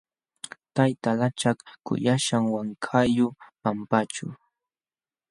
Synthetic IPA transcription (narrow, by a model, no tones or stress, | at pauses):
t̪ajt̪alat͡ʃakkʊ̰jaʃaŋwaŋkʰajʊpampat͡ʃʊ̰